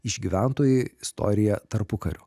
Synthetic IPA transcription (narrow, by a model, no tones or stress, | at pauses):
ɪʒɡʲiːʋʲæˑnt̪oːjeɪɪst̪ɔ̰ːɾʲɪjɛt̪ɐɾpʊkɐɾʲʊ